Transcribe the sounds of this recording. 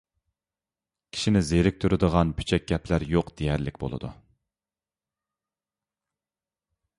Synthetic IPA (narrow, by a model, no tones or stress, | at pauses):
kʲʰi̥ʃinɪzeɾɪk̚ʲt̪ʰyɾɪd̪əʁɑnby̥t͡ʃʰɛk̚ʲɡʲɛplæɾjoqd̪̥ejæɾlɪkʲbo̰lˠɨ̰d̪ṵ